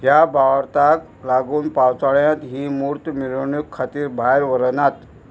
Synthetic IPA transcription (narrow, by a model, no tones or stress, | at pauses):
ɦjabʱaʋɾt̪ak | laɡuːnpawt͡saɭjãt̪ɦiːmuɾt̪miɾəɳjukʰːat̪iːɾbʱajɾʋəɾnat̪